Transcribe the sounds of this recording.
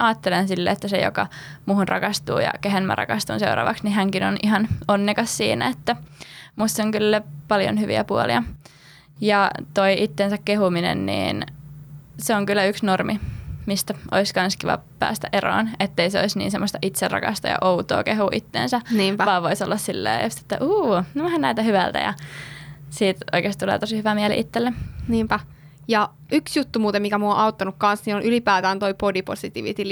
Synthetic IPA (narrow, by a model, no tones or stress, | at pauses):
ʔɑːt̪ːelensilːḛːt̪ːæsejo̰kɑmuːhunrʔɑkɑst̪ṵːjɑ̰keɦenmæ̰rɑ̰kɑst̪unsḛurɑ̰ːʋɑksniɦæŋkinonihɑnonːekɑssiːnæ̰et̪ːæmut̪seoŋkylːæpɑljo̰nhyʋḭæpuolḭɑ | jɑt̪oiʔit̪ːensækkehuminḛnnḭːn | seoŋkylːæyksnormimist̪æʔo̰iskɑnskiʋɑ̰pæ̰ːst̪æʔero̰ːnet̪ːeiseo̰isnḭːnsemːost̪ɑʔit̪serʔɑ̰kɑ̰st̪ɑjɑ̰ʔout̪o̰ːkeɦuʔit̪ːḛːnsæniːmpæʋɑːʋʋoisolːɑssilːḛːjust̪e̥t̪ːæʔuːnoʋæhænnæilt̪æhyʋælt̪æ̰jɑ̰ | siːt̪o̰ikeːst̪t̪ulḛːt̪osihyʋæmiælḭʔit̪ːelːeniːmpæ | jɑ | yksjut̪ːumuːt̪emikæmuoʔɑut̪ːɑnukkɑnsniːnonʔylipæːt̪æːnt̪oipodipo̰sit̪iʋit̪il